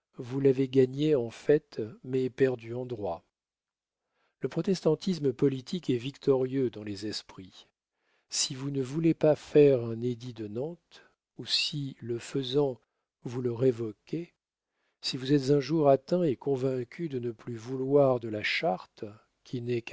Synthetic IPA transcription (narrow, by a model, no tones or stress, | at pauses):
vulaveɡaɲeɑ̃fɛt̪mɛpɛʁd̪yɑ̃d̪ʁwa | ləpχɔt̪ɛst̪ɑ̃t̪isməpɔlit̪ʰikɛvikt̪ʰɔʁjød̪ɑ̃lɛzɛspχi | sivunəvulepafɛʁɛ̃ned̪id̪ənɑ̃t̪ | usiləfəzɑ̃ | vuləʁevɔkʲe | sivuzɛt̪zɛ̃ʒuʁat̪ɛ̃ekɔ̃vɛ̃kʲʰyd̪ənəplyvulwaʁd̪əlaʃaʁt̪ | kʲʰinɛk